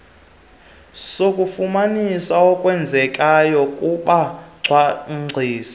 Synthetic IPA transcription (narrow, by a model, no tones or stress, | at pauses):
sokʼufumanisaɔkʼwɛnd͡zʱɛkʼajɔkʼuɓaǀʱwaŋ͡ǀʱiːsḁ